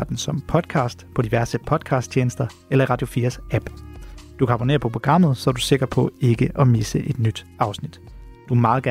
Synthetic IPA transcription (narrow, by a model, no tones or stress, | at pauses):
ɐd̥n̩sɒ̽mpʰɒ̽d̥ˠkʰɑ̈ːsd̥pʰɒ̽d̥iʋæɐsəpʰɒ̽d̥kʰɑ̈ːsd̥̚t͡ɕʰjeːnəsd̥ɐ | elɐiʁɑ̈d̥jo̝fḭːɐsæb̥d̥ukʰæɑ̈b̥o̝ne̝̰ːɐpʰɒ̽pʰʁo̝ɡ̥ʁɑ̈m̰ð̞̩ˠsɒ̽ɐd̥use̝ɡ̥ɐ̥pʰɒ̽e̝ɡ̥əʔɒ̽misəʔe̝d̥nyd̥ɑ̈ʊsnid̥d̥umɑ̈ːð̩ˠɡ̥æ